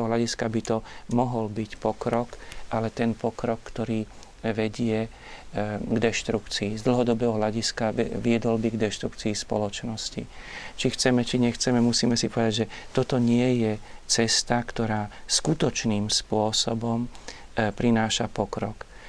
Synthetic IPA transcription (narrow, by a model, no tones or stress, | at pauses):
ɔɦlaɟiskabit̪ɔmɔɦɔlbicpɔkɾɔkʔalɛt̪ɛnpɔkɾɔkːt̪ɔɾiː | ʋɛɟɪɛ | ɡd̪ɛʃt̪ɾukt͡siːzd̪l̩ɦɔd̪ɔbɛːɦɔɦlaɟiskaʋɪɛd̪ɔlbiɡd̪ɛʃt̪ɾukt͡siːspɔ̰lɔt͡ʃnɔscḭ | t͡ʃixt͡sɛmɛt͡ʃiɲɛxt͡sɛmɛmusiːmɛsipɔʋɛd̪aɟʒɛ | t̪ɔt̪ɔɲɪɛjɛt͡sɛst̪akt̪ɔɾaːskut̪ɔt͡ʃniːmspʊɔsɔbɔmpɾinaːʃapɔkɾɔk